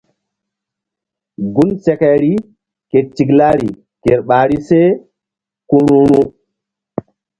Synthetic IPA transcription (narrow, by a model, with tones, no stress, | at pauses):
ɡu˦nsɛ˦kɛ˨ɾi˦ | ke˨t͡ʃːi˨ɡlaː˦ɾi˨ | ke˨ɾɓaː˨ɾi˦sɛ˦ | ku˦nu˦nu˦